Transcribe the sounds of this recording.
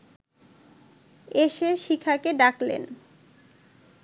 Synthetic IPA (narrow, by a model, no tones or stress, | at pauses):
eʃeʃikʰakeɖaklḛn